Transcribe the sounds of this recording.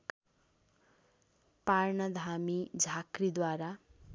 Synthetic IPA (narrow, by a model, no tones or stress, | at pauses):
parɳʌd̪ʱamid͡zʱakrid̪waɾa